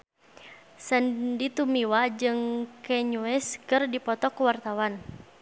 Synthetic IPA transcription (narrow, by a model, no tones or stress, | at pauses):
səndit̪umiwad͡ʒɨŋkɛɲuɛskɨrdipɔt̪ɔkuwart̪awan